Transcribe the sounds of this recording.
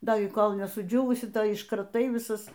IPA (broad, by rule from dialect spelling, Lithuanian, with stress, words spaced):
ˈdɐ ɪ ˈkoːlʲ nʲɛsʊˈd͡ʒʲuːʋʊsʲɪ ˈtɐɪ ɪʃkrɐˈtɐɪ ʋʲɪˈsɐs